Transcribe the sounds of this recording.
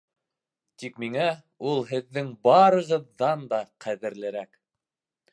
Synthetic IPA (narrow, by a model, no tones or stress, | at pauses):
t̪ikmiŋæ | ulˠɦɘ̆ðːɘŋbɑɾɤ̆ʁɤ̆ðːɑnd̪ɑqʰæðɘ̆ɾlɘ̆ɾæk